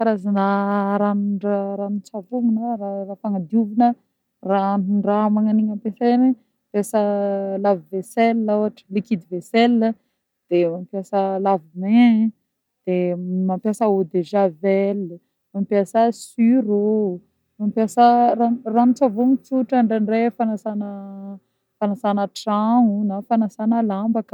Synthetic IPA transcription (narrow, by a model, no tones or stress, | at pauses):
faɾazanaɾanuɳaɾanut͡savuŋunoɾarafaŋad̪iuvunə | ranuɳɖ͡ʐamaŋaniɲampeseni | pjesəlaviveselːawaʈ͡ʂə̥likid̪iveselə | d̪̥emampjasəlavime | d̪̥emampjasəod̪eʒavelə | mampjasəsyɾo | mampjasəraranut͡savomit͡suʈ͡ʂəɳɖ͡ʐaɳɖ͡ʐefanasanə | fanasanəʈ͡ʂaŋunafanasanəlambakə̥